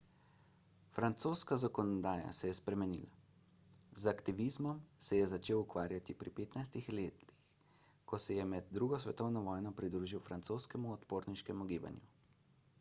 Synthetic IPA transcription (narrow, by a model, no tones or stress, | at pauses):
fɾant̪soːskazakɔnɔd̪aːja̰sɛjɛspɾɛmɛnḭːla | zakt̪iʋizmɔmsɛjɛzat͡ʃeːwukʋaːɾjat̪ipɾipeːt̪najst̪ixleːt̪lix | kɔsɛjɛmɛd̪ːɾuːɡɔsʋɛt̪ɔwnɔʋɔːjnɔpɾid̪ɾuːʒiwfɾant̪soːskɛmuɔt̪poːɾniʃkɛmuɡiːba̰nju